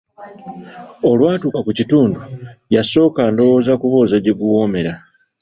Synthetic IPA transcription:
o̞lwaːtuːkakucituːndujaso̞ːkando̞wo̞ːzakuβoːzaɟeɡuwo̞ːme̞ɾa

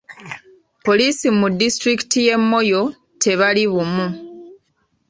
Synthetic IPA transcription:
po̞liːsimudːistɾiki̥tije̞mːo̞jo̞ | te̞βaliβumu

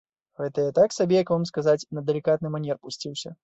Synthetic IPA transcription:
ɣɛt̪ɐjat̪aksabʲɛjɐkvamskazat͡sʲnɐd̪ɛlʲikat̪nɨmanʲɛrpusʲt͡sʲiwsʲɐ̰

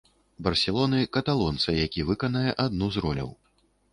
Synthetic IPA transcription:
bɐrsʲɛlˠɔnɨkɐt̪alˠɔnt̪sɐjakʲivɨkɐnɐjɛʔad̪nuzɾɔlʲɐ̰w

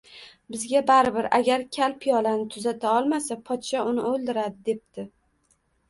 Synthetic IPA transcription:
bɪzɡʲabaɾɪbɪɾaɡʲaɾkʲʰalpʰɪjɒlanɪt̪ʰʊzat̪ʰaɒlˠmasapʰɒt̪ʃɒʊnɪolˠd̪ɪɾad̪ɪd̪e̞p̚t̪ʰɪ

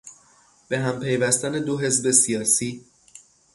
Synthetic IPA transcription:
b̥e̞ɦæmpʰe̞jvæst̪æne̞d̪oɦe̞zbe̞sijɒːsiː

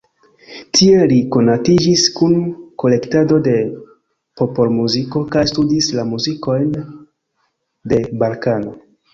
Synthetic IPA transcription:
tʰie̞liko̞natid͡ʒiskunko̞le̞ktado̞de̞ | po̞po̞lmuziko̞kajstudislamuziko̞jn | de̞balkano̞

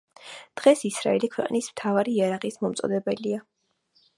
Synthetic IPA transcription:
d̪̥ʁɛsisɾa̰ɛlikʰwɛqʼnismt̪ʰavaɾiːaɾaʁismɔmt̪sʼɔ̰d̪ɛbɛlia

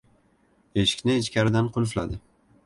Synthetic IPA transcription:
eʃɪ̥kʲnɪːt͡ʃkʲʰaɾɪd̪anqʰʊlˠfla̰d̪ɪ

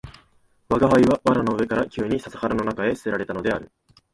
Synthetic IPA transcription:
βaɡaɦaiβaβaɾano̞ɯ̟βe̞kaɾakʲɨːɲ̟isasḁhaɾano̞nakae̞sɨ̥e̞ɾaɾe̞t̪ano̞d̪e̞aɾɯ̟

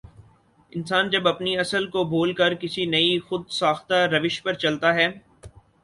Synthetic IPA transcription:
ɪ̃nsaːnd͡ʒɐbɐpniɐsəlkobʱoːlkɐɾkɪsinɐixʊd̪saːxt̪aɾɐʋɪʃpɐɾt͡ʃɐlt̪aɦɛː

